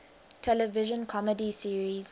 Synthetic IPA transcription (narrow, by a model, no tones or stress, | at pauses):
tʰɛləvɪʒə̃nkʰɔmədisiɹiz̥